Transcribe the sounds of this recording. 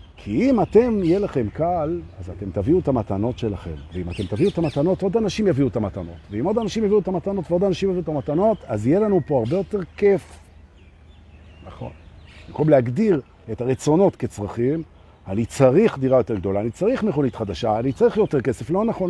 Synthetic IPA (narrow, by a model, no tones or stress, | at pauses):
kʰiimate̞mijelaχe̞mkalazat̪e̞mt̪aviuetamatano̞tʃe̞laχe̞̰mveimate̞mt̪aviuetamat̪ano̞to̞danaʃimjaviuet̪amatano̞̰tveimo̞danaʃimjaviuetamatano̞tveo̞danaʃimjaviuet̪amatano̞tazijelanupo̞aʁbe̞jo̞te̞ʁkef | naχo̞̰nbimkomleaɡdiʁ | e̞taʁet͡so̞no̞tke̞t͡sʁaχim | anit͡saʁiχd̪iʁajo̞t̪e̞ɡdo̞laːnit͡saʁiχmeχo̞nitχad̪aʃaːnit͡saʁiχjo̞te̞ʁke̞se̞flo̞naχo̞n